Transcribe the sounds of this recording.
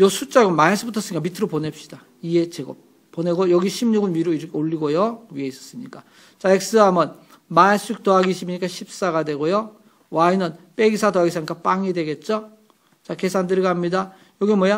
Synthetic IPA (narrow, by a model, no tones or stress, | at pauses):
jʌsʰut͡ɕ͈aɡɯnmaes͈ɯbutʰʌs͈ɯɲikamitʰɯɾoponep̚ɕ͈i̥d̥a | iɡe̞t͡ɕeɡʌ | pone̞ɡojʌɡiɕʰimɲuɡɯnɥiɾoiɾʌkʰeoʎːiɡojoɥie̞is͈ʌ̥s͈ɯmɲik͈a | t͡ɕaek̚s͈ɯɦamʌn | maesuik̚t͈oaɡiɕʰimɲik͈aɕʰip̚s͈aɡadwe̞ɡojo | wainɯnp͈e̞ɡisʰatoaɡisʰaɲik͈ap͈aŋidwe̞ɡe̞t̚t͡ɕ͈o | t͡ɕake̞sʰandɯɾiɡaɦamɲida | jʌɡimwʌja